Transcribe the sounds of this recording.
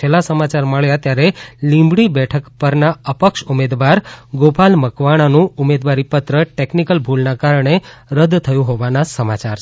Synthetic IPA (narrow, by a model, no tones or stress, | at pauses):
elasəmat͡ʃaɾməɭjat̪jaɾelĩmbɽibɛʈʰəkpəɾnaəpəkʃumed̪ʋaɾɡopalməkʋaɽ̃anũumed̪ʋaɾipət̪ɾəʈeknikəlbʱulnakaɾəɳ̃eɾəd̪t̪ʰəjũɦoʋanasəmat͡ʃaɾ